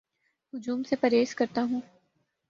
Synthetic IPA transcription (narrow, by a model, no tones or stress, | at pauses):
ɦʊd͡ʒuːmsepɐɾeːskɐɾt̪aɦũː